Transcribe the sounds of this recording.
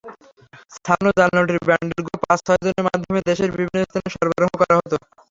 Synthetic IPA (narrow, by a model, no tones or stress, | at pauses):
st̪ʰanod͡ʑanːoʈiɾbɛɳɖelɡopãsʃɔɦed͡ʑoneɾmad̪ʱːomed̪eʃeɾbibʱinost̪ʰaneʃɔɾbaɾoɦokɔɾaɦɔt̪o